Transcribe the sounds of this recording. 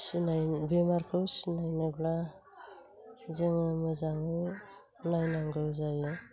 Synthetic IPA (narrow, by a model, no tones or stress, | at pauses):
sinajbemaɾkʰɯwsinajnɯbla | zeŋɯmɯzaŋɯ | najnaŋɡɯwzajɯ